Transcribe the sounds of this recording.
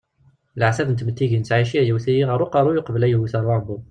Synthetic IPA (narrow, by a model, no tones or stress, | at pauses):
lʕsæbnət̪mət̪ːiʝint͡sʕiʃiʕjæwθijiʁəɾˤuqɑɾˤujʊqbəlæjhθɑɾˤɑbu